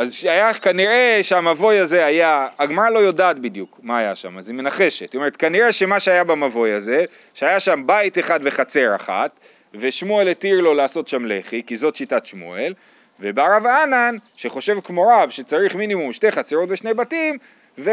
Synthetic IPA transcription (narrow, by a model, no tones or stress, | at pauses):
azʃajakaniʁe̞ʃeamavo̞jaze̞ajaːɡmaʁalo̞jo̞daːt̪̚bid̪jukmaːja̰ʃa̰mazime̞naχe̞ʃet̪ːtome̞et̪kaniʁe̞ʃe̞maʃeajabamavo̞jaze̞ | ʃeajaʃambait̪eχad̪ve̞χat͡se̞ʁa̰χa̰t̪ | ve̞ʃmue̞letiʁlo̞laːso̞t̪ʃamlḛχikizo̞t̪ʃitatʃmṵel | vebeaʁavananʃe̞χo̞ʃe̞vkmoʁavʃet͡saʁiχminimumʃte̞χat͡seʁo̞tveʃne̞jbatim | ve